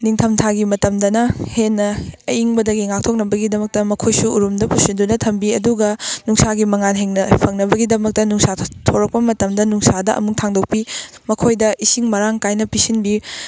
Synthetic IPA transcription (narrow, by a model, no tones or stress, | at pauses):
niŋtʰɐmtʰaɡimɐtɐmdɐnɐhenːɐːjiŋbɐdɐɡiŋak̚tʰok̚nɐbɐɡidɐmɐk̚tɐmɐkʰojsuːɾumdɐpusindunɐtʰɐmbiɐduɡɐnuŋsaɡimɐŋanɦeŋnɐpʰɐŋnɐbɐɡidɐmɐk̚tɐnuŋsatʰoɾɐk̚pɐmɐtɐmdɐnuŋsadɐʔɐ̰muk̚tʰaŋdok̚pimɐkʰojdɐʔisiŋmɐɾaŋkajnɐpisinbi